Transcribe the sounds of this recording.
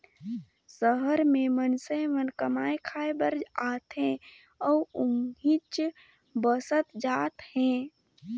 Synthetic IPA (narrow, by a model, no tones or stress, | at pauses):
səɦəɾmẽmənsẽʋənkəmaːekʰaːebəɾd͡ʒaːt̪ɦẽ | ɔːʊnɦit͡ʃ | bəsət̪d͡ʒaːt̪hɛ̃ː